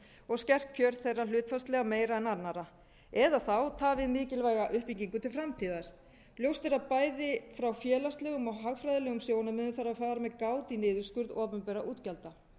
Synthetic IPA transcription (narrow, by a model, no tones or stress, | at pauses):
ɔɣscɛr̥kʰːœɾθejrːalʏːt̪fast̪lɛɣameːjɾaɛnaɾnaɾa | ɛðaθawt̪ʰaːvɪðmɪːcɪlvaːjɣaʔʏhpiɲciŋkʏt̪ʰɪlfɾamt̪ʰiːðaɾ̥ | ljowst̪ɛɾapaːjðɪfɾawfjɛːlast̪lɛɣʏmɔɣɦaɣfɾajðalɛɣʏmsjoːwnamʏːnʏθaɾafaːɾamɛðkaːwt̪inɪːðʏskʏɾðɔːpʏmpɛɾaʔuːt̪calt̪a